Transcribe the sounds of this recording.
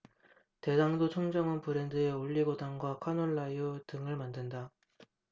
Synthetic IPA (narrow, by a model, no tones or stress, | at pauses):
te̞daŋdot͡ɕʰʌŋd͡ʑʌŋʌnpɯɾe̞ndɯeoʎːiɡodaŋɡwakʰanoɭːaiotɯŋɯɭmandɯnda